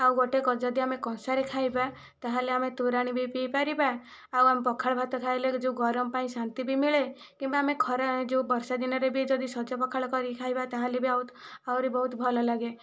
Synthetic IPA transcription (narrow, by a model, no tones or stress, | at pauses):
awɡoʈekɔd͡ʒɔd̪iamekɔsaɾekʰajba | t̪aɦaleamet̪uɾaɽ̃ibipipaɾiba | awamepɔkʰaɭɔbʱat̪ɔkʰajled͡ʒeũɡɔɾɔmpaĩsant̪ibimiɭe | kĩmbaamekʰɔɾaed͡ʒeũbɔɾsad̪inɔɾebid͡ʒɔd̪isɔd͡ʒɔpɔkʰaɭɔkɔɾikʰajbat̪aɦalebiawawɾebɔɦut̪bʱɔlɔlaɡe